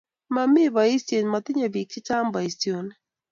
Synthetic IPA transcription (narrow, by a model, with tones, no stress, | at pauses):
ma˦mɪ˦bɔ˨i˦stjo˨nma˨t̪ɪ˦ɲɔ˨bi˨k̚t͡ʃɪ˦t͡ʃa˦mba˨i˨sti˨o˨n